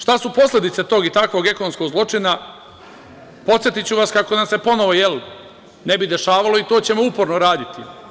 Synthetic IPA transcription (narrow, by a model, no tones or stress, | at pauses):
ʃt̪asupo̞slʲe̞d̪it̪set̪o̞ːɡit̪akʋo̞ːɡe̞konomsko̞ɡzlˠo̞t͡ʂina | po̞t̪sje̞t̪it͡ɕuʋaskako̞namse̞po̞no̞ʋo̞jel | ne̞bid̪e̞ʃaːʋalo̞it̪oːt͡ɕe̞mo̞upo̞ɾnoɾaːd̪it̪i